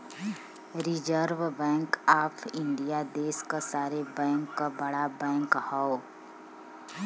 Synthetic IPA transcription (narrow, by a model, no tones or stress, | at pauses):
ɾɪd͡ʒəɾʋbɛ̃ːŋkaːpʰɪ̃ɳɖijad̪eːskasaːɾebɛ̃ːŋkːabəɽabɛ̃ːŋkhao